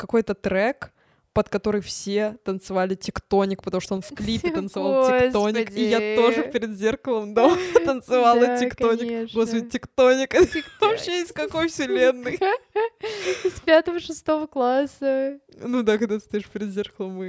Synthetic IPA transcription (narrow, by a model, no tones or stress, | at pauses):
kɐko̞jt̪ət̪ɾɛk | pət̪kɐt̪o̞ɾɨjfsʲet̪ənt̪sɨvalʲɪtʲɪkt̪o̞nʲɪk̚pət̪ɐmuʂt̪oo̞nfklʲipʲɪt̪ənt̪sɨvalˠtɪonʲɪkijat̪o̞ʐɨpʲɪɾʲɪd̪zʲerkəlˠəmd̪ot̪ənt̪sɨvalˠətʲɪkt̪onʲɪkɡospədʲɪtʲɪkt̪onʲɪkəkt̪oɕɪjeɪsʲt̪ʲkɐko̞jfsʲɪlʲenːɨj | spʲat̪əvəʂɨst̪o̞vəklˠasə | nud̪akɐɡ̚d̪at̪ɨ̥st̪ɐjiʂpʲɪɾʲɪd̪zʲerkəlˠəmɨ